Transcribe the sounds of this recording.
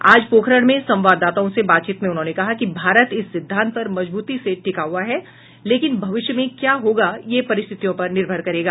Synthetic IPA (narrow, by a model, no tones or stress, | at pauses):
aːd͡ʒpoːkʰɾəɽ̃mẽsɐ̃mʋaːd̪ːaːt̪aõsebaːt̪̚t͡ʃiːt̪mẽʊnɦõːnekɐɦakibʱaːɾət̪ɪsːɪd̪ʱːãːnt̪̚pɐɾmɐd͡ʒbuːt̪iseʈɪkaɦuaɦɛ | leːkɪnbʱɐʋɪʃjəmẽkjaːɦoːɡajepɐɾɪst̪ʰɪt̪ijõpɐɾnɪɾbʱəɾkɐɾeːɡaː